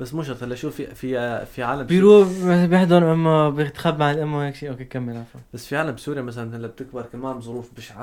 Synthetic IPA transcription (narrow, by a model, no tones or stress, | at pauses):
basːmʊʃɑt̪ˤhalːaʃuːfififiʕaːlambijɾuːbjɪħd̪ʊɾʔɪmːabjɪt̪xabmaʕɪlʔamːawaːkʃiːʔawkekamːɪlʕafabasːfiʕaːlambsuːɾjamasalanhlːab̚t̪ɪk̚bɑɾˤkamaːmbzˤʊɾuːfbɪʃʕa